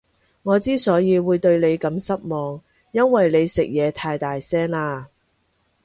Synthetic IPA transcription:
ŋɔː˨˧t͡siː˥sɔː˨˥jiː˨˧wuː˨˧jt̪ɵ˧ɥle˨˧jkɐ˨˧˥msɐ˥t̚mɔː˨ŋ | jɐ˥nwɐ˨jle˨˧jsɪ˨k̚jɛː˨˧t̪ʰaː˧jt̪aː˨jsɛː˥ŋlaː˧

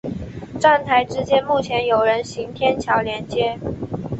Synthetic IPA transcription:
ʈ͡ʂa˥˩nt̪ʰa˧˥ɪʈ͡ʂɻ̩˥t͡ɕjɛ˥nmu˥˩t͡ɕʰjɛ˧˥njo˨˩ʊɻə˧˦˥nɕi˧˥ŋt̪ʰjɛ˥nt͡ɕʰjɑ˧˥ʊljɛ˧˥nt͡ɕjɛ˥

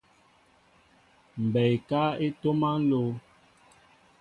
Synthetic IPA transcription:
m̩˨bɛ˨jka˦e˦to˦ma˦lo˦

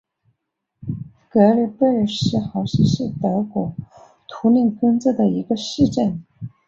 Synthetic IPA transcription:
kɤ˧˥li˨˩pə˥˩ʂɻ̩˥˩xɑ˧˥ʊɕi˧˥ʂɻ̩˥˩t̪ɤ˧˥kwɔ˨˩ | t̪ʰu˧˥ni˥˩ŋkɤ˥ŋt͡sɤ˥˩d̪ə˩i˧˥ɡə˧ʂɻ̩˥˧ʈ͡ʂə˥˩n

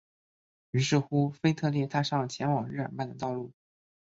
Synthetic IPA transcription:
y˧˥ʂɻ̩˥˩xu˥fe˥ɪt̪ʰɤ˥˧ljɛ˥˩t̪ʰa˥ʂɑ˥˩ŋt͡ɕʰjɛ˧˥nwɑ˨˩ŋɻ̩˥˩ə̰˨˩npa˥˩nd̪ə˩t̪ɑ˥˧ʊlu˥˩

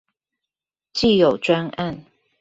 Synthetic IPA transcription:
t͡ɕi˥˨jo˨˩ʊʈ͡ʂwa˦na˥˨n

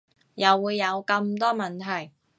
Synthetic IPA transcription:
jɐ˨wːuː˨˧jːɐ˨˧wkɐ˧mt̪ɔː˥mɐ˨nt̪ʰɐ˨˩j

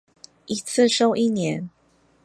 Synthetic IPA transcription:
i˧˥t͡s̩ʰ˥˨ʂo˥˧ʊʔi˥˨njɛ˨˧˦n

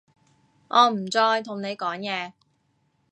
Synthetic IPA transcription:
ʔɔː˨˧m̩˨˩t͡sɔː˧jt̪ʰʊ˨˩ŋne˨˧jkɔː˨˥ŋjɛː˨˧

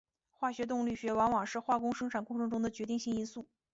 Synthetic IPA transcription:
xwa˥˩ɕɥɛ˧˥t̪̬ʊ˥˧ŋly˥˩ɕɥɛ˧˥wɑ˧˥ŋwɑ˨˩ŋʂɻ̩˥˧xwa˥˩kʊ˥ŋʂɤ˥ŋʈ͡ʂʰa˨˩nkʊ˥˧ŋʈ͡ʂʰɤ˧˥ŋʈ͡ʂʊ˥ŋd̪ə˨t͡ɕɥɛ˧˥t̪i˥˧ŋɕi˥˩ŋi˥nsu˥˩

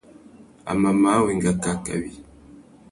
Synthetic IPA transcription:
a̰˨ma˨ma˨˦wɛ˨ŋɡa˨ka˨ka̰˨wi˨

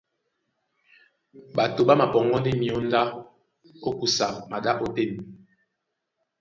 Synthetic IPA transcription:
ɓa˨to˨ɓa˦ma˨pɔ˨ŋ˦ɡɔ˦ndi˦mi˨ɔ˦n˦da˦ | o˦ku˨sa˨ma˨ɗa˦ʔo˦te˦˨n˨

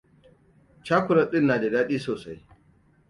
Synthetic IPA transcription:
t͡ʃaː˦kʷʊ˨ɾɐ˨ɗɪ˦nːaː˨da˨daː˦ɗiː˦soː˨sa˦j

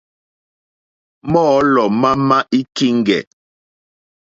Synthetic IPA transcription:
mɔː˦lɔ˨ma˦ma˦ʔi˦ki˦ŋ˨ɡɛ̰˨

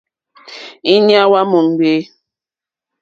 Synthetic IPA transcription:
i˦nja˦wa˦mo˨ŋ˨ɡ͡be˦

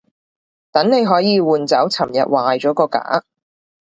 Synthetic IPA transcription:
t̪ɐ˨˥ŋne˨˧jɦɔː˨˥jiː˨˧wuː˨nt͡sɐ˨˥wt͡sʰɐ˨˩mjɐ̰˨t̚waː˨jt͡ʃɔː˨˥kɔː˧ka̰ː˨˥

